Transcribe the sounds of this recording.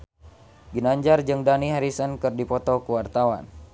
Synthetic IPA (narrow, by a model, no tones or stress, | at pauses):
ɡinaɲd͡ʒard͡ʒɨŋdaniɦaɾisənkɨrdipɔt̪ɔkuwart̪awa̰n